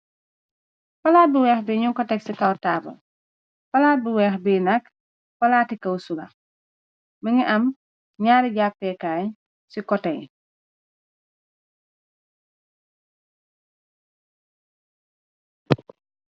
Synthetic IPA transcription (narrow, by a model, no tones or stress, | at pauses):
fɐlaːt̚buwɛːxbiɲuŋkɔtɛksikɐwtaːbɐ̰l | fɐlaːt̚buwɛːxbiːnɐk | fɐlaːtikɐwsuɡɐ̰ | miŋiʔɐm | ɲaːɾiɟapːɛkaː | sikɔtɛj